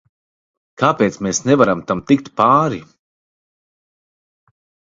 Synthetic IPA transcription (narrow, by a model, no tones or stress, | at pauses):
kaːpeːt̪smeːsnɛvaɾamt̪amt̪ik̚t̪paːɾi